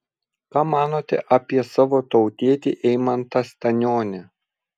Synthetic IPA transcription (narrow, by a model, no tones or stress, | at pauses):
kɑːmɑːnoːt̪ʲɛ̰ʔɐpʲiɛsɑːʋoːt̪ɐʊt̪ʲiɛt̪ʲiːʔɛɪmɐnt̪ɐsʲt̪ʲɛnʲoːnʲɛ